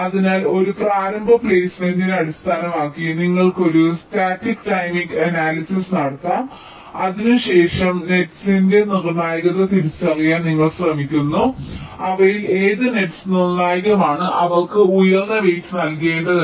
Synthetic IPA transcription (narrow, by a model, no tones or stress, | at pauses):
ɐðinaːlo̞ɾupraːɾɐmbʱɐplejsmendinɐɽist̪ʰaːnɐmaːkːiniŋːɐɭko̞ɾustaːtːikʈɐjmiɡɐnaːlisisnɐɽɐt̪ːaːm | ɐðinuɕe̞ːʂɐmne̞ʈsinde̞nirɐnːaːjɐɣɐt̪ːɨt̪iɾit͡ɕːɐrɐjaːnniŋːɐɭsrɐmikʲːunːuɐʋɐjileːðɨne̞ʈsnirnaːjɣɐmaːɳɨʔɐʋɐɭkɨujɐrnːɐʋejtːɨnɐlke̞ːɳɖɐðɨ